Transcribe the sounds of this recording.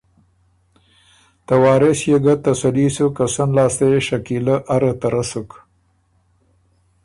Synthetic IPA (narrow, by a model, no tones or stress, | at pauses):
t̪awɑːɾɪsjeɡat̪asalisukasanlɑːst̪eeʃakilaʔaɾət̪aɾasuk